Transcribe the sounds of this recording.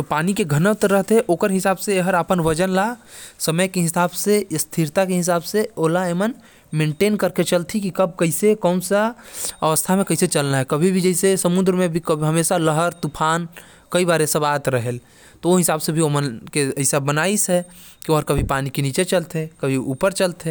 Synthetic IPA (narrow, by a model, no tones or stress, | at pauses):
d͡ʒopaːnikeɡʱənəwt̪əɾːəɦt̪ɦɛʔoːkəɾɦɪsaːbseeɦəɾapənʋəd͡ʒənlasəməjkeɦɪsaːbsest̪ʰiɾt̪akeɦɪs̬aːbseoːlaemən | mẽːɳʈeːnkəɾket͡ʃəlt̪ʰikikɐb̚kəɪsekɔːnsaɐʋəst̪ʰamẽkɐɪset͡ʃəlnaɦɛkɐbʱibʱid͡ʒəɪsesəmʊ̃nd̪ɾmẽbʱikəbʱiɦɐmeːʃaləɦəɾt̪upʰaːn | kəibaːɾesɐbaːt̪ɾəɦel | t̪ooɦɪsaːbsebʱiomənkeəɪsabənaːisɦɛ | kioɦəɾkɐbʱipaːnikeniːt͡ʃet͡ʃəlt̪ẽkəbʱiuːpəɾt͡ʃəlt̪ɦẽ